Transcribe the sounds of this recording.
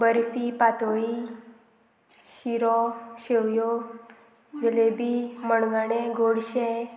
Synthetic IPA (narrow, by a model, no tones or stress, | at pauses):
bəɾfipat̪oɭi | ʃiɾɔɕewjo | d͡ʒəlebiməɳɡaɽ̃ẽɡoɽʃẽ